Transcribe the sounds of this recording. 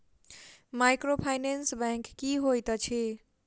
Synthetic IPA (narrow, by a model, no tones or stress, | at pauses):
majkɾopʰajnensbɛ̃ŋkːiɦojt̪ət͡ʃʰe